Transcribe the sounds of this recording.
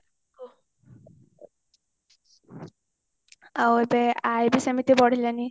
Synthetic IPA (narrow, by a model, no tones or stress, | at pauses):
awebɛajbisemit̪ibɔɽ̤ilani